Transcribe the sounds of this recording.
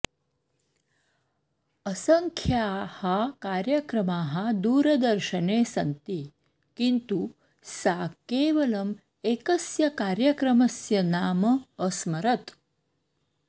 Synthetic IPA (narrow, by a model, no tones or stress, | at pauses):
ɐsɐŋkʰjaːhɐkaːɾjɐkɾɐmaːɦɐd̪uːɾɐd̪ɐɾʃɐneːsɐnt̪i | kint̪u | saːkeːʋɐlɐm | ekɐsjɐkaːɾjɐkɾɐmɐsjɐnaːmɐːsmɐɾɐt̪